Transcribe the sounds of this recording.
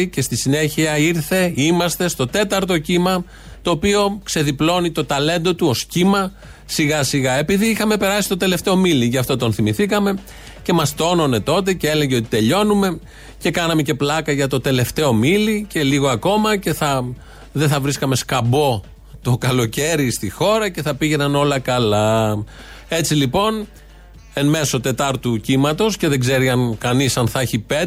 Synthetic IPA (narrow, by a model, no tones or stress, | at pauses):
ce̞st̪isine̞çiɐiɾθe̞imɐst̪e̞st̪o̞t̪e̞t̪ɐɾt̪o̞cimɐ | t̪o̞ːpio̞kse̞ðiplo̞nit̪o̞t̪ɐle̞nd̪ot̪uo̞scimɐ | siɣɐsiɣɐe̞piðiixɐme̞pe̞ɾɐsist̪o̞t̪e̞le̞ft̪e̞omiliʝɐft̪o̞t̪o̞nθimiθikɐme̞ | ce̞mɐst̪o̞no̞ne̞t̪o̞t̪̬e̞ce̞ele̞ʝeo̞t̪i̥t̪e̞ʎo̞nume̞ | ce̞kɐnɐme̞ce̞plɐkɐʝɐt̪o̞t̪e̞le̞ft̪e̞o̞milice̞liɣo̞ɐko̞mɐce̞θɐ | ðeθɐvɾiskɐme̞skɐbo̞ | t̪okɐlo̞ce̞ɾist̪ixo̞ɾɐce̞θɐpiʝe̞nɐno̞lɐkɐlɐ | e̞t͡silipo̞n | e̞nme̞so̞t̪e̞t̪ɐɾt̪ucimɐt̪o̞sce̞ðe̞ɡze̞ɾiɐnkɐnisɐnθɐçipe